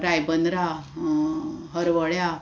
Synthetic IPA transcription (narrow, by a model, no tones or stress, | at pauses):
ɾajbənd̪ɾa | ɦəɾʋəɭja